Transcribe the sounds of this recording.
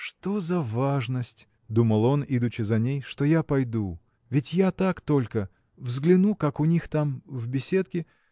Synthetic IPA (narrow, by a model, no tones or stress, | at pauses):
ʂt̪o̞zɐvaʐnəsʲtʲ | d̪uməlˠo̞nid̪ʊt͡ɕːɪzɐnʲejʂt̪ojapɐjd̪u | vʲɪtʲjat̪akt̪o̞lʲkə | vzɡlʲɪnukakʊnʲixt̪amvbʲɪsʲe̞t̪kʲɪ